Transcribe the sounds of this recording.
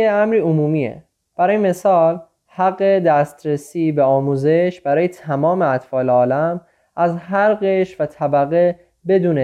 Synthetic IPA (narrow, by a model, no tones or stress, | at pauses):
eæmɾiːomuːmiːḛ | b̥æɾɒːjeme̞sɒːl | hæɡːe̞d̪æst̪ɾesiːbeɒːmuːze̞ʃb̥æɾɒːjet̪ʰæmɒːmeæt̪fɒːleɒːlæm | ʔæzɦæɾɢeʃvæt̪ʰæbæɣe | be̞d̪uːne